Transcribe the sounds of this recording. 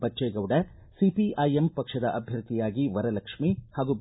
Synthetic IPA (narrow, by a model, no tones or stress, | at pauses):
bɐːeːɡɐʋɽɐ | sipiʔɐjempɐkʂɐd̪ɐʔɐbʱjɐɾt̪ʰijaːɡiʋɐɾɐlɐkʂmihaːɡub